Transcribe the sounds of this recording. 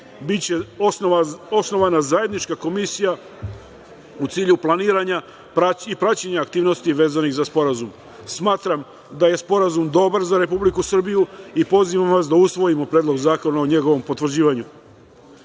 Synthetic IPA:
bit͡ɕeao̞sno̞ʋanazaje̞d̪nit͡ʃkako̞misija | ut̪siːʎuplˠaniːɾaɲa | pɾaipɾat͡ɕeɲaːkt̪iːʋno̞st̪iʋe̞ːzaniɣzaspo̞ɾazum | smaːt̪ɾam | d̪aje̞spo̞ɾazumd̪o̞baɾzaɾe̞publikusr̩bijuipo̞ziʋamʋas̬d̪ausʋo̞jimo̞pɾed̪lo̞ɡzaːko̞naoɲe̞ɡo̞ʋo̞mpo̞t̪ʋr̩d͡ʑiːʋaɲu

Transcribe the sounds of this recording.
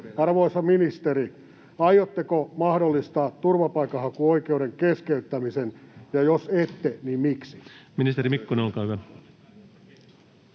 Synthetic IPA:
ɑrʋoisɑminist̪eɾi | ɑjot̪ːekomɑhdolːist̪ɑːt̪turʋɑpɑikɑhɑkuoikeuɾeŋkeskeyt̪ːæmisenjɑjoset̪ːenimmiksi̥minist̪eɾimikːuneolkɑːhyʋæ

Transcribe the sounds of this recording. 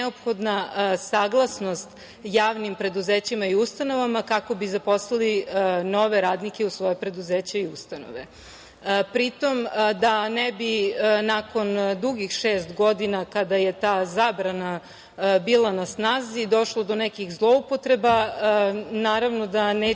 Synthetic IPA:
opxo̞d̪nasaːɡlˠasno̞st̪ | jaːʋnimpɾe̞d̪uzeːt͡ɕimaiust̪ano̞ʋamakako̞bizaposlˠalino̞ʋe̞ɾaːd̪nike̞usʋo̞jepɾe̞d̪uzeːt͡ɕaiust̪ano̰ʋe | pɾit̪o̞md̪anebinako̞nd̪uɡixʃeːst̪ɡod̪inakad̪aje̞t̪aːzaːbɾana | biːlˠanasnaːzid̪o̞ʃlˠod̪onɛkixzlˠo̞upo̞t̪ɾe̞ba | naːɾaʋno̞d̪aneː

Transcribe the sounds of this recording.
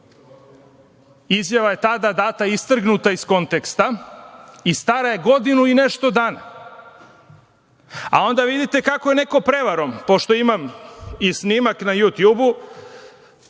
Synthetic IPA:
izjaʋaje̞t̪ad̪ad̪aːt̪aist̪r̩ɡnut̪aisko̞nt̪ekst̪a | ist̪aɾaje̞ɡo̞d̪inuine̞ʃt̪o̞d̪aːna̰ | a̰o̞nd̪aʋid̪it̪e̞kakoje̞ne̞ko̞pɾe̞ʋaɾompo̞ʃt̪o̞imamisniːmaknajut̪jubu

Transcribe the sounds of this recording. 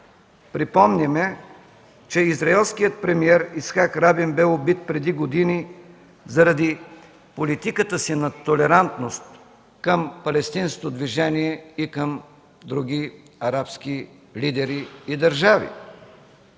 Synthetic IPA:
pɾipɔmnʲɛmɛ | t͡ʃɛizɾɐɛlˠskijət̪̚pɾɛmiɛɾisxakɾabimbɛobit̪̚pɾɛd̪iɡod̪ini | zɐɾɐd̪i | polit̪ikət̪əsinɐt̪olɛɾant̪nost̪ | kəmpɐlɛst̪insko̥t̪od̪viʒɛniɛikəm | d̪ɾuɡ̟i | ɐɾapski | lid̪ɛɾiːd̪ɐɾʒavḭ

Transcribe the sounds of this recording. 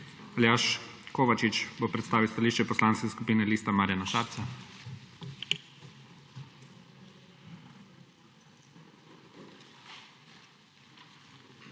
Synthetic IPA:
aljaʃ | koːʋat͡ʃit͡ʃbopɾɛt̪st̪aːʋiwst̪aliːʃt͡ʃɛpɔslaːnskɛskupiːnɛliːst̪amaːɾjanaʃaːɾt̪sa

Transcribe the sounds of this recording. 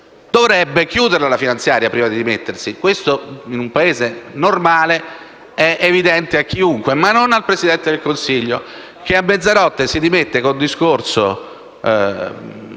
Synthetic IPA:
d̪̥ovɾɛbːek̟juːd̪eɾlalafinant̪sjaːɾjapɾiːvad̪id̪imet̪ːersikwest̪oinumpaeːzenormaːle | ɛʔevid̪ɛnt̪eakːiuŋkwemanːonalpɾezid̪ɛnt̪ed̪elkonsiʎːo | k̟eamːed̪zaɾɔt̪ːesid̪imet̪ːekond̪iskorso

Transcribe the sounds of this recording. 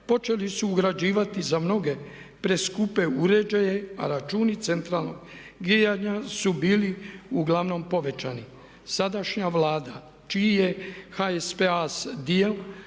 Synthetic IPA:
po̞t͡ʃe̞lisuːɡɾad͡ʒiːʋat̪izamno̞ɡe̞ | pɾe̞skupe̞uɾe̞d͡ʒajea̰ɾat͡ʃuːnit̪se̞nt̪ɾalˠno̞̰ɡɡɾijaɲasubiːliuɡlaʋno̞mpo̞ʋe̞t͡ʃani | sad̪aʃɲaʋlaːd̪a | t͡ʃiije̞xaespeasd̪iel

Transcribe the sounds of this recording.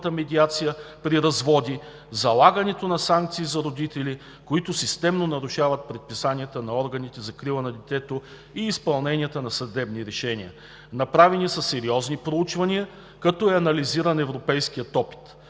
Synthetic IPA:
t̪əmɛd̪ʲiat̪sijəpɾiɾɐzvɔd̪i | zɐlˠaɡɐnɛt̪onɐsaŋk̚t̪siːzɐɾod̪it̪ɛli | koit̪ʊsist̪ɛmnonɐɾuʃavət̪̚pɾɛt̪̚pisanʲiət̪ənɐɔɾɡɐnit̪ɛzɐkɾilˠənɐd̪ɛt̪ɛt̪o | iːspɐlˠnɛnʲijət̪ənɐsɐd̪ɛbniɾɛʃɛnʲiə̰ | nɐpɾavɛnisɐsɛɾiɔznipɾout͡ʃvɐniə | kɐt̪ɔɛɐnɐliziɾənɛvɾopɛjsk̟ijət̪ɔpi̥t̪

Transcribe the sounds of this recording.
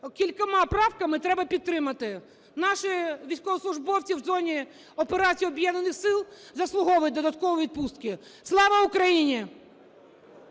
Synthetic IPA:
kʲilʲkɐmɑpɾɑwkɐmɪt̪ɾɛbɐpʲid̪ɾɪmɐt̪ɪ | nɑʃɪʋʲijsʲkɔʋɔslˠʊʒbɔwt͡sʲiwzɔnʲi | ɔpeɾɑt͡sʲijɔbjɛnɐnɪxsɪlˠzɐslˠʊɦɔʋɐjd̪ɔd̪ɐt̪kɔʋɔʋʲid̪̚pust̪̚kɪslˠɑʋɐʊkɾɐjinʲi

